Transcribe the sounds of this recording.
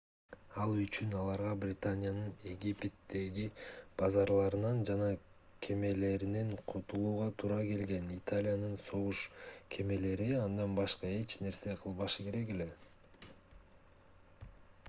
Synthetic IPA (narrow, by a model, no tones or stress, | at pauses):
ɑlˠyt͡ʃynɑlˠɑɾʁɑbrʲɪt̪anʲɪjanɯne̞ɡʲipʲet̪ːe̞ɡib̥ɑzɑɾlˠɑɾɯnɑnd͡ʒɑnɑ | kʲʰe̞me̞le̞ɾineɴqʰot̪ulˠuːʁɑt̪ʰuːɾɑke̞lɡe̞nit̪alʲɪjanɯnso̞ʁuʃkʲʰe̞me̞le̞ɾiɑnd̪ɑnbɑʃqɑe̞t͡ʃne̞ɾse̞qʰɯlˠβɑʃɯke̞ɾe̞ke̞le̞